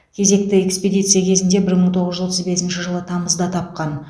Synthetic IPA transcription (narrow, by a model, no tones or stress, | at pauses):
kʲʰe̞ze̞k̚t̪ɪekspʲed̪ʲijt̪sɨjakʲʰe̞zɪnd̪e̞bɪɾməɴt̪ʰo̞ʁəzʒʏzwo̞t̪əzbe̞sɪnʃɪʒəlˠət̪ʰɑməzd̪ɑt̪ʰɑp̚qɑn